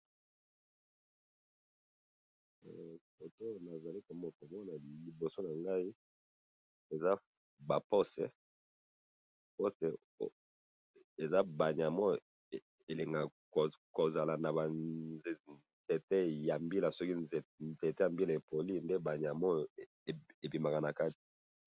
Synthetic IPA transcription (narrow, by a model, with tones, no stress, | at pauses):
fo˨to˦na˨za˨li˦ko˨mɔ˦ko˨mɔ˦na˨li˨bo˨so˦na˨ŋɡa˦i˦ | e˨za˦ | ba˨po˦sɛ˨ | po˦sɛ˨˦ | e˨za˦ba˨ɲ˨a˨mɔ˦˨ | e˨le˨ŋɡa˨ | ko˨za˨la˨na˨a˨˦ | ze˨te˦ja˨mbi˦la˨sɔ˦ki˦˨ze˨te˦ja˨mbi˦la˨e˨po˨li˦nde˦ba˨ɲ˨a˨mɔ˦˨ | e˨pi˨ma˨ka˨na˨ka˦ti̥˨